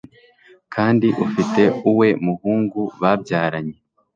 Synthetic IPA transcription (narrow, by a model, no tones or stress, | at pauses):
kʰaːndiʔufite̞uwe̞muhuːŋɡuβabɟaːɾaɲe